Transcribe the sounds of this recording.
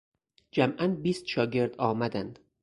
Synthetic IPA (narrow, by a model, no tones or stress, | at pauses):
d͡ʒæmʔænbiːst̪ʃɒːɟe̞ɾd̪ɒːmæd̪ænd̪̥